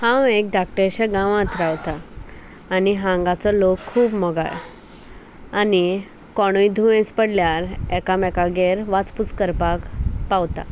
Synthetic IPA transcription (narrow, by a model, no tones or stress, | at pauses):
hãwek̚d̪ak̚ʈəɾɕɛ̃ɡãʋãt̪ɾawt̪aː | niɦãŋɡat͡sɔlokʰːuːbmɔɡa̰ɭ | ani | kɔɽ̃ujid̪ʱuẽspəɽljaɾɛkamɛkaɡeɾʋat͡sput͡skəɾpakpawt̪a̰